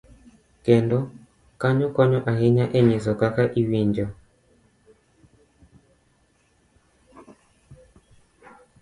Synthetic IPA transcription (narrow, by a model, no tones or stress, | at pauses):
kɛndɔ | kaɲɔkɔɲɔʔahɪɲaʔɛɲis̬ɔkakaʔiwiɲd͡ʒɔ